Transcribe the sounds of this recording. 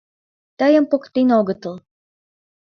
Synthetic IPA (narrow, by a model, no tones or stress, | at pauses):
t̪əjə̆mpokt̪enoɣə̆t̪əl